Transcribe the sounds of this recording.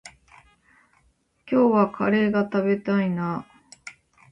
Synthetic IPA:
kʲo̞ːβakʰaɾe̞ːɡat̪abe̞t̪aina

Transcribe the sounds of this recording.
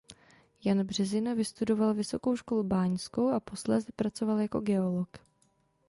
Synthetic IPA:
janbr̝̥ɛzɪnovɪst̪udo̞valvɪso̞ko̞wʃko̞lubaːɲsko̞wʔapo̞slɛzɛpɾat͡so̞valjako̞̰ɡɛo̞lok

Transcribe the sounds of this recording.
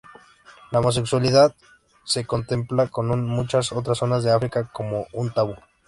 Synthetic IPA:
laomo̞s̬e̞kswaliðað | se̞ko̞nt̪e̞mplako̞nunmut͡ʃaso̞t̪ɾaso̞nazðe̞afɾikako̞mo̞unt̪aβu

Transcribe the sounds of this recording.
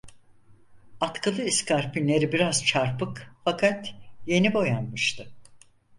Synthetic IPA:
at̪kʰɯlˠɯiskaɾpinlʲe̞ɾibiɾazt͡ʃʰaɾpɯkfakʰat̪je̞nibo̞janmɯʃt̪ʰɯ

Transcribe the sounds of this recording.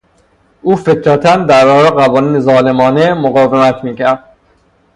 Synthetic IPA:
ʔuːfe̞k̪ʰɾæt̪ʰænd̪æɾbɒːɾeɢævɒːniːnezɒːle̞mɒːnemoɣɒːvemæt̪ʰmiːcʰæɾd̪̥

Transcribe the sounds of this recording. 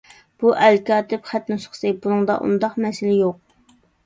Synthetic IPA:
b̥uʔɛlkʲɑːt̪ʰɪpχæt̪nusχsɨbunɨŋd̪ɑ̰ʔṵnd̪ɑqmɛsɪlɪjoq̚

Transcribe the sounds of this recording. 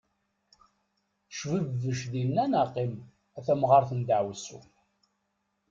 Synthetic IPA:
ʃvəvːəʃðinːænaqːim | æθæmʁɑɾˤθənd̪aʕwsṵ

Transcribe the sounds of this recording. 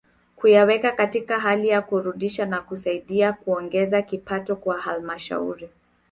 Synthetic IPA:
kujawɛkakatikaɦalijakuɾuɗiʃanakusaiɗiakuɔŋɡɛzakipatɔkwahalmaʃa̰ṵɾi

